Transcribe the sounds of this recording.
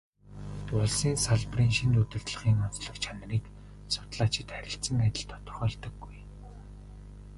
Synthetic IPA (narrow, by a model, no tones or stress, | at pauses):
t̪ʊɮsiːnsaɮpriːnʃint̪ut̪ɘ̆ɮt̪ɮə̆χiːŋʊnt͡sɮɞ̆kt͡ɕʰan̆riːk | sʊ̥t̪ɮaːt͡ɕɪ̆t̪χæɾʲɪ̆ɬsə̆ŋat̪ʲɪ̆ɮt̪ʰɔ̥t̪ɞ̥̆rχɔːɮt̪ɞ̆ɡːuj